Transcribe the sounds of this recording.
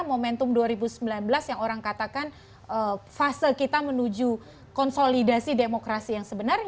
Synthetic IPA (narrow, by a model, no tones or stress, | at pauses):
momɛnt̪ʊmduaɾibusəmbilanbəlasjaŋoɾaŋkat̪akan | ʔəfasəlkit̪amənud͡ʒu | kɔnsolidasidemokɾasijaŋsəbənar